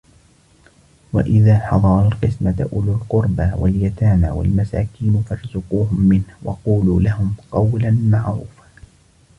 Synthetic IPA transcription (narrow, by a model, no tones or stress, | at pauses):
wa̰ʔɪðaːħɑðˤɑɾˤɑlqɨsmat̪ʔʊlʊlqʊɾˤbaːwa̰ljat̪aːna̰ːwa̰lmasa̰ːkiːnfɑɾˤzʊquːɦʊmːɪnhwɑ̰quːluːlaɦʊmqɑwlanmaʕɾuːfa